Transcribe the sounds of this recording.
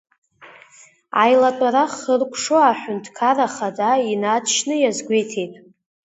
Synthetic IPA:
a̰jlatʼaɾaχərkʷʰʂoaħᶣʊntʰkʰaraχadainatʰʃnɨjazɡʷejtʰejtʼ

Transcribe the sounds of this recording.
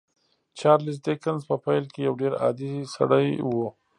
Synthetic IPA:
t͡ʃɑɾlis̬d̪ekanzpəpajlkejawɖeɾɑ̰d̪isa̰ɽəjwo

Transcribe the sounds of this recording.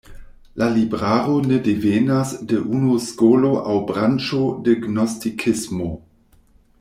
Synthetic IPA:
lʔalibʁaːʁonedeveːnasdeʔunoskoːloʔawbʁant͡ʃodiɡnostikʰɪsmo

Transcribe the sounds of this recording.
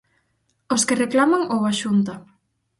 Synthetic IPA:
oskereklamaŋowβaʃunt̪ɐ

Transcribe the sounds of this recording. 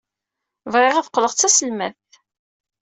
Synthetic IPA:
vʁeʁæθqːləʁt͡sːæsəlmæθθ

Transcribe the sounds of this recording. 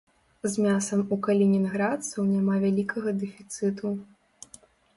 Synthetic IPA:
zmʲasɐmukɐlʲinʲinɣɾat̪sɐwnʲamavʲalʲikʰɐɣɐd̪ɛfʲit̪sɨt̪u

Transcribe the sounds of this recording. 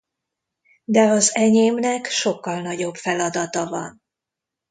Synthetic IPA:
d̪ɛɒzɛɲeːmnɛkʃo̞kːɒlnɒɟo̞bfɛlɒd̪ɒt̪ɒvɒ̰n

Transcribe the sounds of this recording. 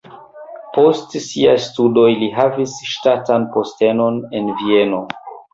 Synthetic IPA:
po̞stsiajstudo̞jliɦavisʃtatanpo̞ste̞no̞ne̞nvie̞no̞

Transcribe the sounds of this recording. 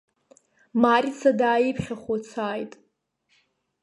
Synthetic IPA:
marʲit͡sʰadaːjipʰχʲaχat͡sʰaːjtʼ

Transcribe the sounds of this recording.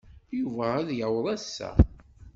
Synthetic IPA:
juvææðjawðˤæsːæ̰

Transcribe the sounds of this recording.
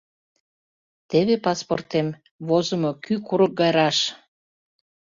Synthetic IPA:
t̪eβepɑspo̰rt̪em | βozəmokykuɾək̚ɡɑjɾɑʃ

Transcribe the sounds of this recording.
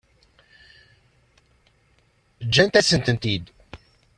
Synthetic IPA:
d͡ʒːænt̪æsənt̪ənt̪id̪

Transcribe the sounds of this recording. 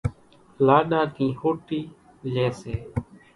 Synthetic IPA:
laːɗãːkĩːhoːʈiː | lɛ̃ːseː

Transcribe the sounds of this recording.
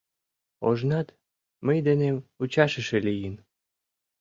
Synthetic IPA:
o̰ʒnɑt̪ | məjd̪eneut͡ɕɑʃə̆ʃelijən

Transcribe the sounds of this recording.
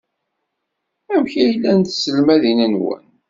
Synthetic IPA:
æmçijlːænt̪səlmæðinænwə̰n

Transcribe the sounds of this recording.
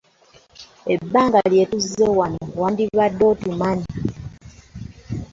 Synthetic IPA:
ebːaːŋɡalje̞ːtuzewanowaːndiβadːo̞ːtumani

